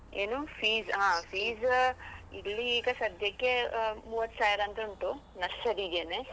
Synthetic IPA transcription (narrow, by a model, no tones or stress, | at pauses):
ḛːnuːfʰiːzɦãːpʰiːz | ḭlːiːɡɐsɐd̪ʱjɐkːemuːʋɐt̪ːsaːjɾɐnt̪ɐuɳʈu | nɐsːɐɾid͡ʒeːne